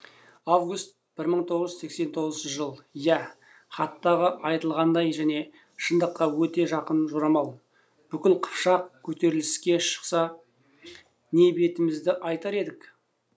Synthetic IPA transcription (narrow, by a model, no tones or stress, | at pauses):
avɡust̪̚ | b̥ɪɾməɴt̪ʰo̞ʁəʒʏse̞kse̞nt̪ʰo̞ʁəzʃəʒəlˠjæ | χɑt̪ːɑʁəʔɑjt̪əlˠʁɑnd̪ɑjʒæne̞ | ʃənd̪əqːɑwɵt̪e̞ʒɑqənʒoɾɑmɑlˠ | b̥ʏkʲɪlqʰə̥pʃɑq̚kʲʰɵt̪e̞ɾɪlɪskʲe̞ʃə̥qsɑ | ne̞be̞t̪ɪmɪzd̪ɪʔɑjt̪ɑɾe̞d̪ɪk